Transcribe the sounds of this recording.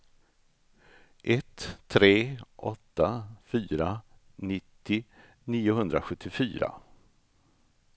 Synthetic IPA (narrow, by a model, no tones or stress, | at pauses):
ʔɛt̪ʰːɾeːʔɔ̰t̪ːafyːɾa | nɪt̪ːɪ | niːʊɦɵnd̪ɾaɧɵt̪ʰːɪfy̰ːɾa̰